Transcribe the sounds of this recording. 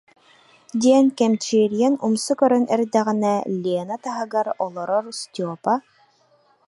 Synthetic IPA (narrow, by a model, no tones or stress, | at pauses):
d̪ʲiɛnkɛmt͡ʃiːɾjɛnumsukœɾœnɛ̰ɾd̪ɛʁinɛlʲeːnat̪aɦɯɡaɾɔlˠɔɾɔɾust̪ʲɔpa